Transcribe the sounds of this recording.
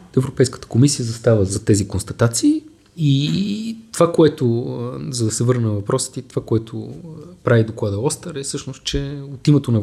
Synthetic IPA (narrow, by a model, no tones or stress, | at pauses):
ɛvɾopɛjskə̥t̪ə̥komisijəzɐst̪avəzɐt̪ɛzikonst̪ɐt̪at̪siː | i | t̪ovakoɛt̪ʊzɐd̪ɐsɛvɤɾnnvɐpɾɔsə̥t̪it̪ovakoɛt̪ʰopɾavid̪oklˠad̪əɔst̪əɾɛfsɤʃnost̪̚t͡ʃɛot̪imɛt̪onɐ